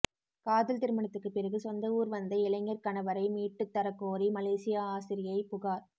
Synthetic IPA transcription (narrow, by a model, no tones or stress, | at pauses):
kaːðɪlt̪ɪɾɯmɐɳɐt̪ːɯkːɯpːɪɾɐɣɯsɔnd̪ɐuːɾʋɐnd̪ɐɪlɐŋːɐɾkɐɳɐʋɐɾɐɪmiːʈːɯt̪ːɐɾɐkːoːɾimɐleːsɪjaːaːsɪɾɪjɐɪpʊɣaːɾ